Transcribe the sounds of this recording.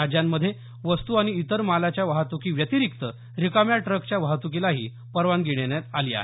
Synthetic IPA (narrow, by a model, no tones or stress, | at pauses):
ad͡ʑjamːəd̪ʱːje | ʋəst̪uaɽ̃iːt̪əɾmalat͡ɕjaʋaɦat̪ukiːʋjət̪iɾikt̪ə | ɾikamjaʈɾəkt͡ɕjaʋaɦt̪uk̬ilaɦḭː | pəɾʋanɡiɽ̃enjat̪aliːa̰ɦe